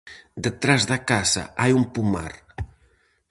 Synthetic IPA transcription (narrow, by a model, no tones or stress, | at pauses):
d̪ət̪ɾazðakaza̰ʔajumpuma̰r